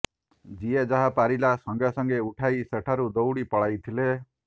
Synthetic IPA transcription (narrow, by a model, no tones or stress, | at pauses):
d͡ʒied͡ʒaɦapaɾilasɔŋɡasɔŋɡeuʈʰajseʈʰaɾud̪owɽipɔɭajt̪ʰile